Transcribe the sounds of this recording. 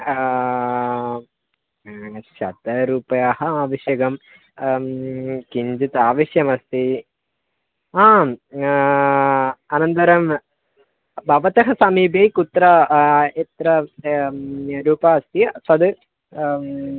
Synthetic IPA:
ʃɐt̪ɐɾuːpɐjaːhɐaːʋɐʃjɐɡɐm | kiɲd͡ʒit̪aːʋɐʃjɐmɐst̪i | aː | ɐnɐnt̪ɐɾɐm | bʱɐʋɐt̪ɐɦɐsɐmiːbejkut̪ɾɐet̪ɾɐ | ɾuːpɐɐst̪isɐd̪ɨ

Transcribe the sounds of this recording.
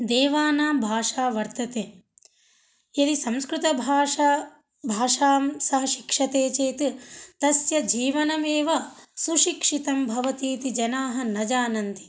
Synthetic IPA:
d̪eːʋaːnaːmbʱaːʂaːʋɐɾt̪ɐt̪eː | jɐd̪isɐ̃mskɾut̪ɐbʱaːa | bʱaːʂaːmsɐɦɐʃi̥kʂɐt̪eːt͡ʃeːt̪it̪ɐsjɐd͡ʒiːʋɐnɐmeːʋɐsuʃikʂit̪ɐmbʱɐʋɐt̪iːt̪id͡ʒɐnaːɦɐ̆nɐd͡ʒaːnɐnt̪i̥

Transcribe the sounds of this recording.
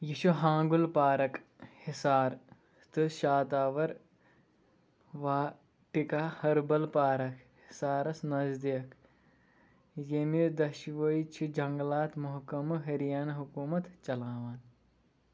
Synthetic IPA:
jiʃuɦãːŋɡulpaːɾɐk | hisaːɾ | t̪ɨʃaːt̪aːʋɐɾ | ʋaː | ʈikaːhɐɾbɐlpaːɾɐkʰhɪsaːɾɐsnɐzd̪ijɐk | jemid̪ɐʃʋɐit͡ʃʰid͡ʒɐŋɡlaːt̪mʊɦkɐmɨɦɐɾijaːnɐɦukuːmɐt̪t͡ʃɐlaːʋaːn

